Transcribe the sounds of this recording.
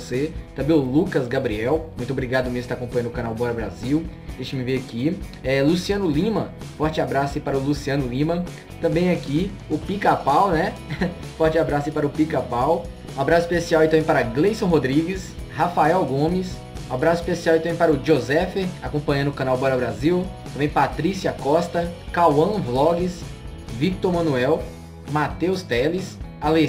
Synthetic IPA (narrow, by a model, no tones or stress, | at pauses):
set̪ɐ̃bẽj̃ʊlukɐzɡabɾiɛwmũj̃t̪obɾiɡad̪ʊmewzsɪ̥t̪akõpɐ̃ɲɐ̃nʊkɐ̃nawbɔɾɐbɾa̰ziwd̪eʃɪmɪveaki | ɛlusiɐ̃nʊlĩmɐ | fɔɾt͡ʃɪabɾasɐipaɾɐʊlusiɐ̃nʊlĩmɐ | t̪ɐ̃mbẽj̃aki | ʊpikapawnɛ | fɔɾt͡ʃɪabɾasʊɐaipaɾʊpikapaw | abɾasʊispesiawɪt̪ɐ̃mbẽj̃paɾɐɡlejsõw̃ɦod̪ɾiɡɪshafaɛwɡõmɪs | abɾasʊispesiawɪt̪ɐ̃mẽj̃paɾʊʒozɛfeakõpɐ̃ɲɐ̃nʊkɐ̃nawbɔɾɐbɾaziwt̪ɐ̃bẽj̃pat̪ɾisiɐkɔst̪ɐkawɐ̃vlɔɡɪs | vik̚t̪oɾmɐ̃nuɛw | mat̪ewst̪ɛlisale